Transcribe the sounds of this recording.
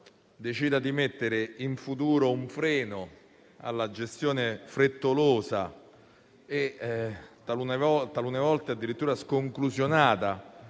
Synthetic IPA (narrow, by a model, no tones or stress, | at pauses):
d̪et͡ʃiːd̪ad̪imet̪ːeɾeiɱfut̪̬uːɾouɱfɾɛːno | a̰lːad͡ʒest̪joːnefɾet̪ːoloːsa̰ | e | t̪aunevɔt̪alunevɔlt̪ead̪ːiɾit̪ːuːɾaskoŋklusjonaːt̪a